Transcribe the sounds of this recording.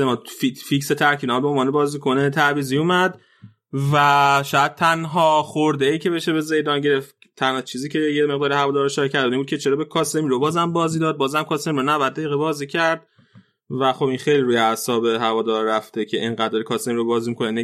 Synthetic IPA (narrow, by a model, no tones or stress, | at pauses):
emɒːfificset̪ʰæɾkʰiblɒːmbeonvɒːnebɒːzikʰo̞net̪ʰæɾviːziumæd̪ | væʃɔːjæd̪̥̚t̪ʰænɦɒːχoɾd̪eiːcʰe̞be̞ʃe̞be̞ze̞jd̪ɒːnɟe̞ɾe̞ft̪ | t̪ʰænhɒt͡ʃʰiːziːcʰejemeɣd̪ɒːɾihævɒːd̪ɒːɾeʃɒɾicʰæɾd̪d̪imbud̪̚cʰet͡ʃʰe̞ɾɒːbekʰɒːsemiɾobɒːzæmbɒːziːd̪ɒːd̪̚bɒːzæmkʰɒːse̞miɾonævæd̪̚ːæiɣebɒːziːcʰæɾd̪̥̚ | væxo̞binxejliɾuːjeæsɒːbeɦævɒːd̪ɒːɾɾæft̪ecʰe̞ʔeŋɢæd̪d̪ɒːɾekʰɒːsemiɾobɒːzimikʰo̞nene